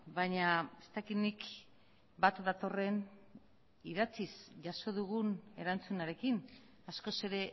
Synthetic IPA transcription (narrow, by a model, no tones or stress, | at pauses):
baɲae̞st̪akit̪nik | bat̪ðat̪o̞re̞n | iðat͡sisʝaso̞ðuɣune̞̰ɾant͡sunaɾe̞kin | asko̞se̞ɾe̞